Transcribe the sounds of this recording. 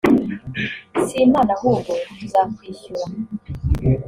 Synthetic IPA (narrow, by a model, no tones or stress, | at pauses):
simaːnahuːɡouzakwiːɕuɾa